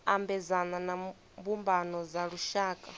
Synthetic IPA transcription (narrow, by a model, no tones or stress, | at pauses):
ambɛzanana | mbumbanɔzaɺuʃaːkʼa